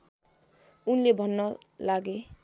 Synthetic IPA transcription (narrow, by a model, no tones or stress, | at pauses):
unlebʱʌnːʌlaɡe